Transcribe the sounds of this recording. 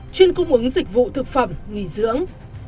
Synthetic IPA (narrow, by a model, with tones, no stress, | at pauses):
t͡ɕwi˧ənkʊ˧ŋ͡mʔɨ˨˦ŋzï˨˩k̟̚vṵ˧˨t̪ʰɨ˨˩k̚fə˧˩mŋi˧˩zɨ̰˧˥əŋ